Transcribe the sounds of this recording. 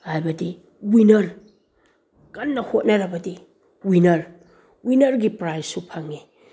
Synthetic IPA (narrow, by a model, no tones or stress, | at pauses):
hajbɐdi | winɐɾ | kanːɐhot̚naɾɐbɐdi | winɐɾ | winɐɾɡipɾajsːupʰaŋe